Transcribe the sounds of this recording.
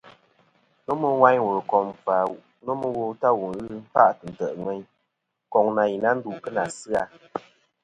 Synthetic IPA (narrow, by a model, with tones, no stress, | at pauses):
nɔ˦mɨ˦wa˦ɲwo˨ɾkɔ˨mfa˨ | nɔ˦mɨ˦wo˧ta˦wu˨n˨ɣɨ˦m̩˦fa˦ʔtɨ˨n̩˨tə˨ʔŋwɛ˦ɲ | kɔ˨ŋna˨ji˨na˦n̩˦du˦˨ʔkɨ˦na˨sɨ˦a˧